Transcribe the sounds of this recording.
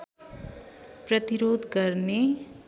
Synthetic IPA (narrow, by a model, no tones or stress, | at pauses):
prʌt̪iɾod̪ɡʌrne